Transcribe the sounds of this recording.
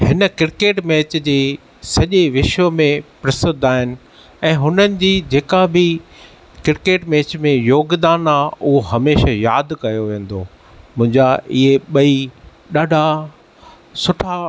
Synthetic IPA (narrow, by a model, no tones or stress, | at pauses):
hɪnə̆kɪɾkeːʈmeːt͡ɕd͡ʑeː | sɐʄeʋɪʃʋəmẽpɾɐsɪd̪ʱaːɦɪnɪ̆ | ɛ̃ːɦʊnənɪ̆d͡ʑiːd͡ʑeːkabɪ | kɪɾkeːʈmeːt͡ɕmẽjoːɡd̪aːnaːʊɦoɦɐmeːʃajaːd̪ʱkɐjoʋẽːn̆d̪oː | mʊ̃ɦɪ̃ɲd͡ʑaɪɦeɓɐi | ɗaːɖʱa | sʊʈʰa